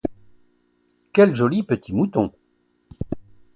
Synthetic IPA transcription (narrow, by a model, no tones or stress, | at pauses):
kʲɛlʒɔlipət̪ʰimut̪ɔ̃